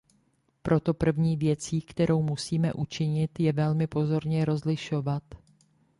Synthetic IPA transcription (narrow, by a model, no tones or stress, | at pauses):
pɾʔo̞t̪o̞pr̩vɲiːvjɛt͡siːkt̪ɛɾʔo̞wmusiːmɛ̰ʔut͡ʃɪɲɪt̪jɛvɛlmɪpo̞zo̞ɾɲɛɾo̞zlɪʃo̞vat̪